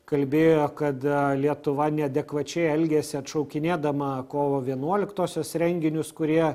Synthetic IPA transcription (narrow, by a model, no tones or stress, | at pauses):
kɐlʲbʲeːjoːkɐt̪lʲiɛt̪ʊʋɐnʲɛɐd̪ʲɛkʋɐt͡ʃʲɛɪɛlʲɡʲɛːsʲɪɐt̪ʃɐʊkʲɪnʲeːd̪ɐmɐkoːʋoːʋʲiɛnuɔlʲɪkt̪oːsʲoːsɾʲɛŋʲɡʲɪnʲʊskʊɾʲiɛ